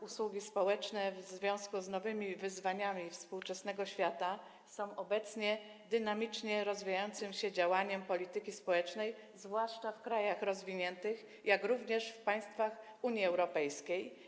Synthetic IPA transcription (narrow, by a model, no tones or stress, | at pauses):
uswuɡʲispɔwɛt͡ʂnɛvzvʲjɔ̃w̃skuznɔvɘmʲivɘzvaɲamʲifspuwt͡ʂɛsnɛɡɔɕfʲjat̪a | sɔ̃w̃ʔɔbɛt̪sɲɛ | d̪ɘnamʲit͡ʂɲɛɾɔzvʲijajɔnt̪sɘmɕɛd͡ʑawaɲɛmpɔlʲit̪ɘkʲispɔwɛt͡ʂnɛj | zvwaʂt͡ʂafkɾajaxɾɔzvʲiɲɛnt̪ɘx | jakɾuvɲɛʂfpaj̃st̪fax | uɲjiɛwɾɔpɛjskʲej